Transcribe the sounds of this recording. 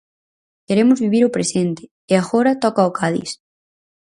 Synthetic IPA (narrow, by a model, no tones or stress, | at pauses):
keɾemʊzβiβ̞iɾʊpɾesent̪ɪ̥ | eaɣoɾɐt̪ɔkaokʰaðḭs